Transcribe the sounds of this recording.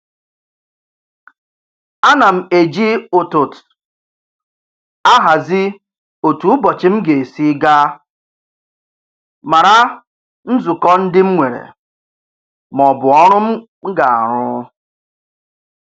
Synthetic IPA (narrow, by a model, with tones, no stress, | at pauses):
a˦na˨m̩˨e˨d͡ʒi˦o˨to˨t | a˦ɦa˨zɪ˦ | o˨tu˨˦bɔ˨t͡ʃɪ˦m̩˦ɡe˨e˨si˦ɡa˦ | ma˨ɾa˦ | n̩˦zu˨kɔ˦n̩˦dɪ˦m̩˦ŋʷe˨ɾḛ˨ | m˨ɔ˨bʊ˨ɔ˦ɾʊ˦m̩˦ | ɡa˨a̰˨ɾʊ˦